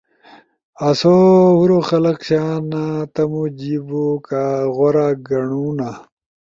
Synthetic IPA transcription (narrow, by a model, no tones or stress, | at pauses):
ɐsohuɾoxɐlɐqɕaːnat̪ɐmud͡ʑibokaɣoɾaɡɐɳuna